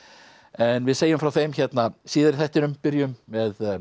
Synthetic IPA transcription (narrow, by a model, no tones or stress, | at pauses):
ɛnvɪðseːjʏmfɾawθejmçɛt̪nasiːðɪɾɪ̥θɛht̪ɪnʏmpɪɾjʏmvɛð